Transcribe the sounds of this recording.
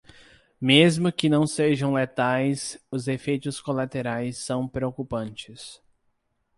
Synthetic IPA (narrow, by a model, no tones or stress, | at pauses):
mezmʊkɪnɐ̃w̃seʒɐ̃w̃let̪ajsʊzefejt̪ʊskolat̪eɾajsːɐ̃w̃pɾeokupɐ̃nt͡ʃɪs